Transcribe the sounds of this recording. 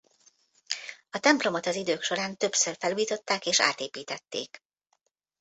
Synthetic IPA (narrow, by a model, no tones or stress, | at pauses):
ɒt̪ɛmplo̞mo̞t̪ɒzid̪øːkʃo̞ɾaːnt̪ø̞psørfɛluːjit̪o̞t̪ːaːkeːʃa̰ːt̪eːpiːt̪ɛt̪ːḛːk